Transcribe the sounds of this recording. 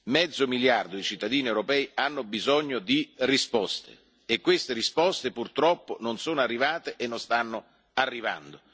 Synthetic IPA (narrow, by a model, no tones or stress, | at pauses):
mɛd̪zːomiljard̪od̪it͡ʃit̪ːad̪iːniewɾopɛːjanːobizɔɲːod̪irispɔst̪ḛː | kːwest̪eɾispɔst̪epurt̪ɾɔpːononsoːnoarːivaːt̪eʔenːonst̪anːo | arːiva̰nd̪o